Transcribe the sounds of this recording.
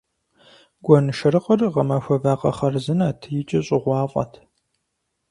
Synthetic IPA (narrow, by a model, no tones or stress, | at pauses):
ɡ̥ʷɔnɨʃɐɾɨqʼərʁɐmɐxʷɐvaːqʼɐ̰χɐrzɨnaːtʰɨjɪt͡ʃʼɐɕʼɪʁʷɑːfʼɐ̰tʰ